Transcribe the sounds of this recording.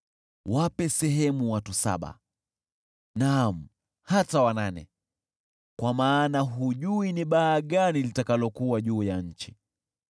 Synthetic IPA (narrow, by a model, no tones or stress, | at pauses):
wapɛsɛɦɛmuwatusa̰ɓa̰ | nam̩ | hatawananɛ̰ | kwamaːnaɦuʄuiniɓaːɠanilitakalɔkuwaʄuːjaɲ̩t͡ʃi̥